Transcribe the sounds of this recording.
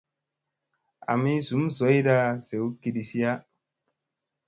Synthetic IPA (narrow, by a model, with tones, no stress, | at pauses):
a̰˨mi˦zu˨˦mzo˨˦jda˦z̥e˨wu˦ki˨di˨si˦ja˦